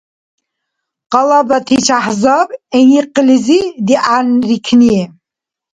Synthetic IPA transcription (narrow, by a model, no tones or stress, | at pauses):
qɑlabat̪ʰit͡ʃʰaħzabɛniqlizid̪iʔanrikʰniɛ